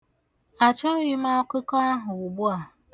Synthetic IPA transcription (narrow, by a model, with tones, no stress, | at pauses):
a˨t͡ʃɔ˦ɾi˦ma˦kʷe˦kɔ˦a˦ɦʊ˨u˨ɡ͡bu˦a˨